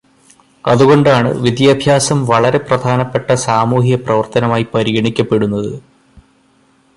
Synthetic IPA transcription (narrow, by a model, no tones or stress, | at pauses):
ɐðuɣo̞ɳɖaːɳɨ̰ʋid̪jaːbʱjaːsɐmʋɐɭɐɾe̞prɐd̪ʱaːnɐpːe̞ʈːɐsaːmuːɦijɐprɐʋɐrt̪ɐnɐmaːjipɐɾiɣɐɳikʲːɐpːe̞ɽunːɐðɨ